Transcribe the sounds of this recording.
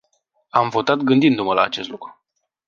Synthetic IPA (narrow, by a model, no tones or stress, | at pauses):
amvo̞t̪at̪ɡɨnd̪ind̪uməlaːt͡ʃe̞s̬t̪lukɾu̥